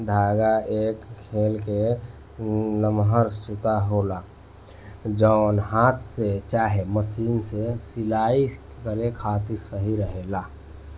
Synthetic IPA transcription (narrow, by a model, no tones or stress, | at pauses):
d̪ʱaːɡaʔeːkkʰːelke | nəmɦəɾst̪ut̪aɦola | d͡ʒəʊnɦaːt̪ʰset͡ʃaːɦeməsiːnsesɪlaːi | kəɾekʰaːt̪iɾsəɦiɾəɦela